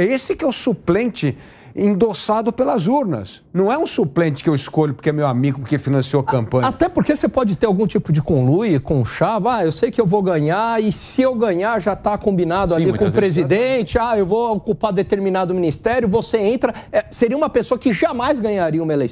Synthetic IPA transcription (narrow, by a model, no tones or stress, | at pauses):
ɛesɪkɪɛʊsuplẽnt͡ʃɪ | ẽnd̪osad̪ʊpelɐzuɾnɐ̰snɐ̃w̃ɛũsuplẽt͡ʃɪ̥kɪewiskoʎʊpoɾkɛmewamiɡʊkefinɐ̃sioɐkɐ̃mpɐ̃at̪ɛpoɾkesepɔd͡ʒɪt̪eɾawɡũt͡ʃipʊd͡ʒɪkõlujɪkõʃavaewsejʊkɪewvowɡɐ̃ɲaɪsɪewɡɐ̃ɲaɾʒat̪akõbinad̪ʊaikõzpɾezid̪ẽt͡ʃɪaewvookupad̪et̪eɾminad̪ʊminist̪ɛɾʲjʊvoseẽnt̪ɾɐɛseɾiɐumɐpesoɐkɪʒamajzɡɐ̃ɲaɾiɐũmɐelejs